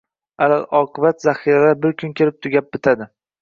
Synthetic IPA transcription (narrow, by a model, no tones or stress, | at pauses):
alalɒqʰɨbat̪zahiɾalaɾbɪɾkʰʊnkʲʰɪɾɪp̚t̪ʰʊɡʲap̚bɪt̪ʰad̪ɪ